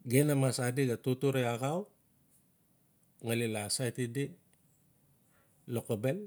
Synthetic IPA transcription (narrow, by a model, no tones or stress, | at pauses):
ɡenamasadiɡatutuɾeaɡaw | ŋalilasajtidi | lokobel